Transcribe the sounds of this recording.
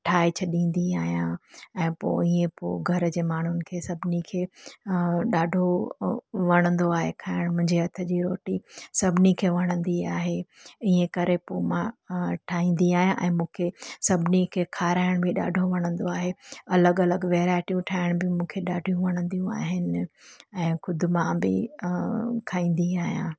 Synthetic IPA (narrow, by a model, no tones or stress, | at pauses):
ʈʰaːet͡ɕʰɐɗĩːn̆d̪iaːɦjãɛ̃ːpo̰ːiːẽpo̰ːɡʱɐɾd͡ʑeːmaːɳ̤ʊnɪ̆kʰeːsɐbʱɪnikʰeː | ɗaːɖʱo | ʋɐɽ̃ə̃nd̪oaːɦekʰaːɪɽ̃mʊ̃ɦɪ̃ɲd͡ʑiɐt̪ʰə̆d͡ʑiɾoːʈisɐbʱɪnikʰeːʋɐɽ̃ə̃nd̪iaːɦeiːẽkɐɾepoːmãʈʰaːĩːnd̪iaːɦijãʔɛ̃ːmũːkʰesɐbʱɪnikʰeːkʰaːɾaːɪɽ̃bɪɗa̰ːɖʱoʋɐɽ̃ə̃nd̪oaːɦeɐləɡɐləɡʋɛːɾaːɪʈijũʈʰaːɪɽ̃bɪmũːkʰeɗaːɖʱijũʋɐɽ̃ə̃nd̪ijũa̰ːɦɪnɪ̆ɛ̃ːxʊd̪ʱʊmãbɪ̰ | kʰaːĩːn̆d̪iaːɦijãː